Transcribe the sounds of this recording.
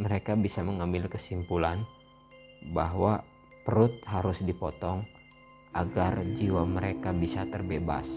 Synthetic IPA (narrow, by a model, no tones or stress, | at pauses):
məɾekabisaməŋambɪlkəsimpulan | baɦwa | pəɾʊt̪̚ɦaɾʊsdipɔt̪ɔŋ | ʔaɡard͡ʒiwaməɾekabisat̪ərbeba̰s